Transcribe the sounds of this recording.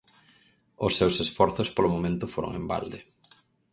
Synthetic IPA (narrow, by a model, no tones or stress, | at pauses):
ʊsːewsesfɔɾθʊspolomomẽnt̪ʊfoɾo̰ŋḛmba̰ld̪e